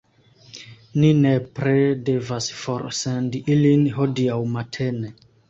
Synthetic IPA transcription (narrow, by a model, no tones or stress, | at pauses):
ninepɾedevasfoɾsendiʔilinhodiawmatʰene